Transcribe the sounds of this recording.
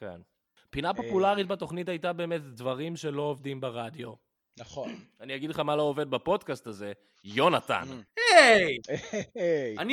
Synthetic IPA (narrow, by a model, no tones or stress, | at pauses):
kḛn | pinapo̞pulaʁit̚bato̞χnitajtabe̞ːme̞tdvaʁimʃe̞lo̞ovdimbeʁad̪jo̞ | naχonanijaɡid̪leχamaloːve̞d̪̚bapo̞dkastaze̞ | jo̞nata̰nej | ani